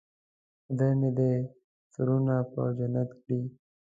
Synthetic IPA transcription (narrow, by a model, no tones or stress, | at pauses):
d̪anid̪e | suɾunapə̰d͡ʒanat̪kɽi